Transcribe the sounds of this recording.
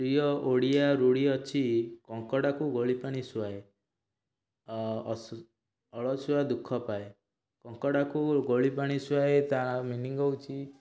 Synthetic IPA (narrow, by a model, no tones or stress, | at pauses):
pɾijɔʔoɽijaɾuɽiɔt͡ʃʰikɔŋkɔɽakuɡoɭipaɽ̃isuwae | ɔɭɔsuad̪ukʰːɔpae | kɔŋkɔɽakuɡoɭipaɽ̃isuwaet̪ãaminiŋɡɔwt͡ʃʰi